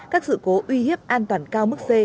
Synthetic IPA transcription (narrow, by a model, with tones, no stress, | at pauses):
kaː˦˥k̚sɨ̰˧˨ko˨˦ʔwi˧hi˦˥əp̚ʔaː˧nt̪waː˨˩nkaː˧wmɨ˦˥k̚se˧